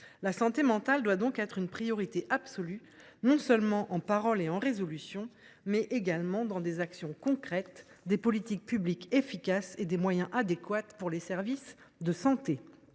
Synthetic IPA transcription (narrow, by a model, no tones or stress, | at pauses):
lasɑ̃t̪emɑ̃t̪ald̪wad̪ɔ̃kɛt̪χynpχijɔʁit̪eʔapsɔly | nɔ̃sœlmɑ̃ʔɑ̃paʁɔleɑ̃ʁezɔlysjɔ̃ | mɛʔeɡalmɑ̃d̪ɑ̃d̪ezaksjɔ̃kɔ̃kχɛt̪ | d̪epɔlit̪ik̚pyblikefikʲased̪emwajɛ̃ʔad̪ekwat̪puʁlesɛʁvis | d̪əsɑ̃t̪e